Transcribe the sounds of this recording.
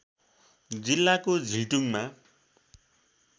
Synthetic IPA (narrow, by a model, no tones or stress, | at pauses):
d͡zilːakod͡zʱiʈuŋma